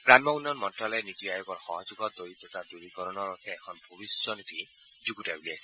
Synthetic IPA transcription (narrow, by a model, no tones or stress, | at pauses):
ɹamɔunɔnmɔntɹalɛnitiajɔɡɔɹxɔɦɔzuɡɔd̪oɹit̪ɔtaduɹikɔɾɔnɔɹɔtʰɛːkʰɔnbʱobisjɔnit̪i | zuɡutabuliasɛ̥